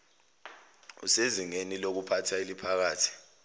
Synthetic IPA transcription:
ṵseziŋenilok̬upʰatʰailipʰak̬aːtʰi̥

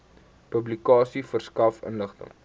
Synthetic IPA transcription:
pəblikɑːsifərskɐfə̰nləχt̪ə̰ŋ

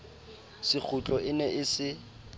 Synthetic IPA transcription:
sɪk͡xʰʊt͡ɬʼɔɪnɛʔɪsɪ

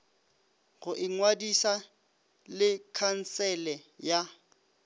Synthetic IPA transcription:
ɣʊʔɪŋwadisa | lɪkʰan̩sɛlɛja

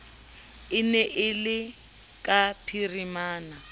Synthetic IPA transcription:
ɪnɛʔɪlɪ | kʼapʰirimaːna

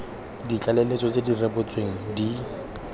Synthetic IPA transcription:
dit͡ɬʼalelet͡sʼɔt͡sʼedirebʊt͡sʼweŋ̩di

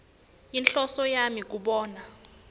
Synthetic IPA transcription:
inɬɔsɔjamik̬uɓɔːna

